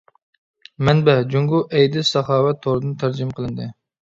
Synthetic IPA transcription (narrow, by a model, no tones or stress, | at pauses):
mɛnbɛd͡ʒuŋɡuʔɛjd̪ɪsɑχɑːwɛt̪ʰːoɾɨd̪ɨnt̪ʰæɾd͡ʒimqʰəlˠɨnd̪ɨ